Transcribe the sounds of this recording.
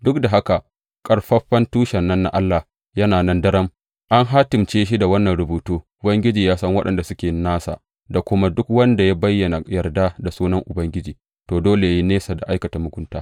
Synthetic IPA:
dʊ˦kda˨ɦa˦ka˨ | kʼɐ˦ɽɸɐ˦ɸɐ˦ntuː˦ʃɐ˨nːɐ˦nːa̰˦ʔa˦lːa˨ | jɐ˦naː˨nɐ˦ndɐ˦ɾɐ˦m | ʔa˦ŋɦa˦tɪ˨mt͡ʃeː˦ʃ̬i˦da˨wɐ˦nːɐ˨nɾʊ˨buː˨tuː˦ʔʊ˨bɐ˦ŋɡʲɪ˦d͡ʒiː˨jaː˦sɐ˦ŋwɐ˦ɗɐ˨nda˨sʊ˦kʲeː˨naː˦sa̰˨ | da˨kʷʊ˦ma˦dʊ˦kwɐ˦nda˨ja˦bɐ˦jːɐ˨na˨jɐ˨rda˦da˨suː˦nɐ˦ŋʔʊ˨bɐ˦ŋɡʲɪ˦d͡ʒiː˨ | toː˨doː˦le˨ja˨ji˦neː˦sa˨da˨ʔa˦jkɐ˨ta˨mʊ˦kʷʊ˦ntaː˦

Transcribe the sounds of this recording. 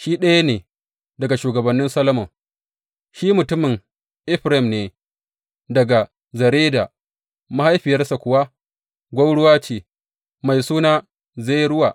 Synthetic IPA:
ʃi˦ɗɐ˦ja˦neː˨ | dɐ˨ɡa˨ʃuː˨ɡɐ˨bɐ˨nːɪ˦nsɐ˦lɐ˦mʊ˨ | ʃiː˦mʊ˨tʊ˦mɪ˨ŋ | ʔɪ˦ɸɾa˦ɪ˨mneː˨ | dɐ˨ɡa˨ | zɐ˨ɾeː˦daː˨ | ma˦ha˦jɸɪ˨jɐ˦rsa˨kʷʊ˨wa˦ | ɡʷa˦wɽʊ˦waː˦t͡ʃeː˨ | ma˨jsuː˦naː˦ | ze˦˨jɾʊ˦waː˨ʔ

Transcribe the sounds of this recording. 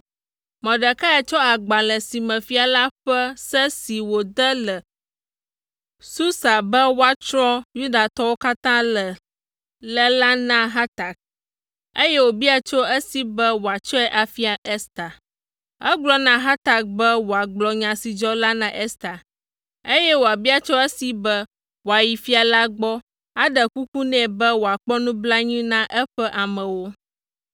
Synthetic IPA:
mɛ̃˨ɖɛ˨ka˦ɛ˨t͡ʃɔ˦a˨ɡ͡ba˨lɛ˨si˨mɛ̃˨fi˨a˨la˦ɸɛ˦sɛ˦si˨wo˨d̪ə˦lə˨ | su˦sa˨bɛ˦wo˦a˨t͡ʃɾɔ̃˦ju˦d̪a˨t̪ɔ˦wo˦ka˦t̪ã˦lɛ˨ | lɛ˦la˦nã˦ɦa˦t̪a˨k̚ | e˦jɛ˦wo˨bi˦a˨t͡ʃo˦ə˦si˦bə˦wo˨a˨t͡ʃɔ˦ɛ˦ʔa˨fi˦a˨ʔɛ˦st̪a˨ | ɛ˦ɡ͡blɔ˦nã˦ɦa˦t̪a˨k̚bɛ˦wo˨a˨ɡ͡blɔ˨ɲã˨si˨d͡ʒɔ˦la˦nã˨ʔɛ˦st̪a˨ | e˦jɛ˦wo˨a˨bi˦a˨t͡ʃɔ˦ɛ˦si˨bə˦ | wo˨a˨ji˨fi˦a˨la˦ɡ͡bɔ˦ | a˦ɖə˨ku˦ku˦nɛ̃˨bɛ˦wo˨a˨k͡pɔ˦nũ˦bla˦ɲĩ˦nã˦ʔɛ˦ɸɛ˦ʔa˨mɛ̃˨wo˦

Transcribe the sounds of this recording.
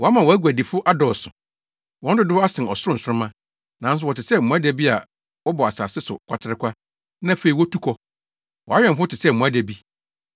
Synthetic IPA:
wɔ˨a˦mã˨wɔ˨æ˦ɡu˨æ˨di˨fʊ˦ʔa˦dɔː˨sʊ̰˨ | wɔ̃˦n̩˦dʊ˦dʊ˦wa˦sɪ̃˨ɔ˨sʊ˦ɾʊ̃˦n̩˨sʊ˦ʊ̃˦mã˦ | nã˨n̩˦s̬ʊ˦wɔ˨tɪ˨sɛ˦m̩˨mũ˨æ˦dæ˨bi˦a˨ | wɔ˦bɔ˨a˨sa̰ː˨sɪ˦sʊ̰˨kʷʰa̰˨tʰɪ˦ɾɪ˦kʷʰa˦ | nã˦˨fe˨i˨wɔ˦tʰu˦kʰɔ˦ | wɔ˨a˦ɥᶣɛ̃˨fʊ˦ɔ˦tɪ˨sɛ˦˨m̩˨mũ˨æ˦dæ˨bi˦

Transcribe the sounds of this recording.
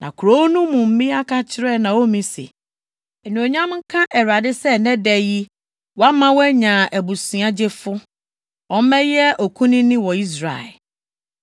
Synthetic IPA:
nã̰˨kʰu˨ɾo˦nũ˦mũ˨m̩˦mĩ˦a˦kʰa˦t͡ɕʰɪ˦ɾɛ˦nã˨wo˦mĩ˦sḛ˨ | ɛ˨nũ˨o˨ɲã˦mŋ̩˦kʰã˦ʔɛ˨ɾa˨dɪ˦sɛ˦nɛ̃˦dɛ˨ji˦ | wɔ˦a˦mã˦wɔ˦ɛ˦ɲã˨ʔæ˨bu˨sĩ˨a˦d͡ʑe˦fʊ˦ | ɔ̃˦mɛ̃˦jɛ˦ʔɔ˨kʰũ˦nɪ̃˦nɪ̃˦wɔ˨i˦s̬ɾa̰˨ɛ̰˨l

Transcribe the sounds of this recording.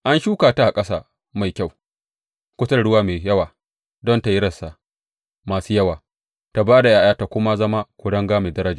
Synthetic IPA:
ʔa˦nʃuː˦kaː˨ta˦ʔa˨kʼɐ˦saː˨ | ma˨jkʲa˦˨w | kʷʊ˦tɐ˦˨ɽʊ˦waː˦meː˨jɐ˦waː˨ | dɔ˦nta˨jɪ˦ɾɐ˨sa˨ʔ | maː˨suː˦jɐ˦waː˨ | ta˨baː˦da˨jaː˦jaː˦ta˨kʷʊ˦ma˦zɐ˦ma˦kʷʊ˨ɽɐ˦ŋɡaː˦me˨dɐ˦ɾɐ˦d͡ʒa˨

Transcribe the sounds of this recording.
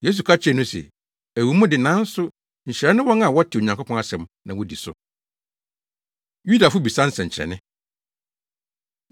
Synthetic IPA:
je˦s̬u˨kʰa˦t͡ɕʰɛ˦˨nʊ̃˦sɛ̰˨ | æ˨wu˨mũ˦dɪ˨nã˨˦n̩˦sʊ˦ | ɲ̩˨ɕɾɛ˦nɪ̃˦wɔ̃˦ŋa˨wɔ˦tʰɪ˨o˨ɲã˨ŋkʰo˦pʰɔ̃˦a˦sɛ̃˨mnã˨wɔ˨di˨sʊ̰˨ | ju˦da˨fʊ˦bi˨sã˦n̩˦sɛ̃˨ɲ̩˨t͡ɕʰɾɛ̰˨nɪ̃˦

